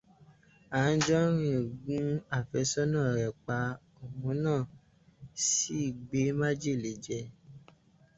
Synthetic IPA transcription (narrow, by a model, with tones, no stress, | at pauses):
a˨˦n̩˦d͡ʒɔ˦ɾ̃ĩ˦˨ɡũ˦a˦˨fɛ˨˦sɔ˦nãː˦˨ɾɛ˨k͡pa˧ | o˨mũ˨˦nãː˦˨ | si˦i˦˨ɡ͡be˨˦mã˦d͡ʒe˦˨le˨˦d͡ʒɛ˧